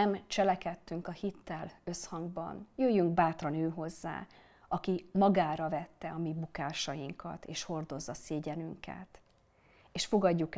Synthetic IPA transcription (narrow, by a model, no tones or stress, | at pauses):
ɛmt͡ʃɛlɛkɛt̪ːyŋkɒhit̪ːɛlø̞shɒŋɡ̚bɒ̰njøːjːyŋɡbaːt̪rɒnøːɦo̞zːa̰ː | ɒkimɒɡaːɾɒvɛt̪ːɛɒmiːbukaːʃɒjiŋkʰɒ̰t̪eːʃho̞rd̪o̞zːɒseːɟɛnyŋkɛ̰t̪ | eːʃfo̞ɡɒɟːuk